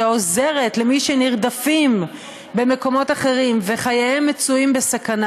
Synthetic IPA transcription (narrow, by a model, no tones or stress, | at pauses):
oze̞ʁe̞tlemiʃeniʁd̪afim | be̞me̞ko̞mo̞taχe̞ʁimve̞χajaemːet͡suimbesakana